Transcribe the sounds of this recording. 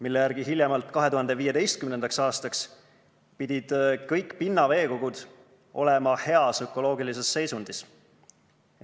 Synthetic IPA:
milːejæɾɡ̥iɦilʲjemɑlt̪ˑkɑɦe̞t̪uhɑnd̪e̞viːje̞t̪e̞jst̪̚kymne̞nd̪̥ɑksɑːst̪ɑks | pid̪̥ʲid̪̥kɤjkːˑpinːɑve̞ːko̞ɡud̪̥ | ʔo̞̰lemɑhe̞ɑsøkːˑo̞lo̞ːɡilise̞sːe̞jsund̪̥is

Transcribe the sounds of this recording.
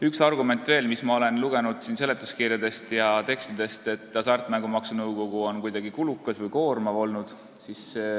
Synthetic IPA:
yksɑrɡume̞nt̪ːˑve̞ːlmismɑo̞le̞nluɡ̥e̞nud̪̥siːnse̞le̞t̪ːˑu̥skirjɑd̪e̞st̪jɑt̪e̞kst̪id̪̥e̞st̪e̞t̪ːˑɑsɑrt̪ːˑmæŋɡ̥umɑksunɤwko̞ɡ̥uo̞nkujd̪ɑɡ̥ikulukːˑɑsvɯjko̞ːrmɑvo̞lnud̪̥ | sis

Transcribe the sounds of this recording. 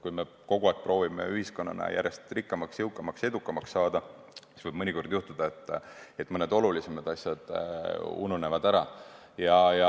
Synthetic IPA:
kujme̞ | ko̞ɡ̥uɑːˑk̚ːˑpro̞ːvimḛyɦisko̞nːɑ̰nɑ̰jʔæ̰ɾje̞st̪rikːɑmɑksjɤwkːˑɑmɑkse̞d̪ukːˑɑmɑksːɑːd̪ɑ | i̥svɤjb̥mɤnʲiko̞rd̪̥juht̪ud̪̥ɑe̞t̪ˑːe̞t̪ːˑmɤne̞d̪o̞lulise̞mɑd̪̥ɑsʲjɑd̪̥ | ṵnune̞vɑd̪̥æɾɑ | jɑjɑ

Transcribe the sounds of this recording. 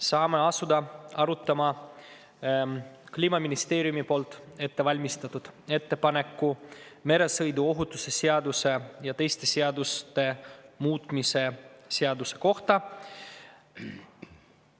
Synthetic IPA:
sɑːmeɑsud̪ɑɑɾut̪ːˑɑmɑ | kliːmɑminist̪e̞ːɾijumipo̞ːlt̪ːˑe̞t̪ːe̞vɑlʲmist̪ɑt̪ːud̪̥e̞t̪ːe̞pɑne̞kːume̞ɾe̞sɤ̞jd̪uo̞ɦut̪ːˑuse̞seɑd̪use̞jɑt̪e̞jst̪e̞seɑd̪ust̪e̞muːt̪ˑmise̞seɑd̪use̞ko̞ht̪ɑ

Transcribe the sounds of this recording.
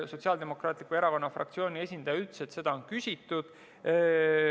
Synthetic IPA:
so̞t̪siɑld̪e̞mo̞krɑːt̪ˑlikːˑue̞ɾɑvɑnːɑfrʔɑ̰kt̪sio̞ːnʲie̞sʲind̪̥ɑjɑyt̪set̪se̞d̪̥ɑonkysʲit̪ːˑud̪̥

